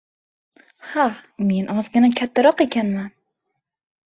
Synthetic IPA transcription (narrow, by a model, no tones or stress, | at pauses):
hame̞nʔɒzɡʲɪnakʲʰat̪ʰːaɾɒqe̞kʲanman